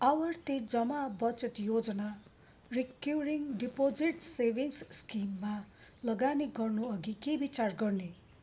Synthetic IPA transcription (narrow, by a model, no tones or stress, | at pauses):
awʌrt̪id͡zʌmabʌt͡sʌt̪jod͡zʌna | rikuriŋɖipod͡ziʈsebʱiŋsskimːalʌɡaniɡʌrnuʌɡikebit͡sarɡʌrne